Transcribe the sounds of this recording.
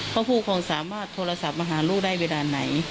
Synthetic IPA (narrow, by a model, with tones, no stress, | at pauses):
pʰɔː˧˥pʰuː˧˩kʰɔː˧˩˨ŋsaː˨˦maː˥˩t̪ʰːoː˧la˧sa˧˦p̚maː˧ɦaː˩˦luː˥˩k̚da˥˩jweː˧laː˧na˨˩˦j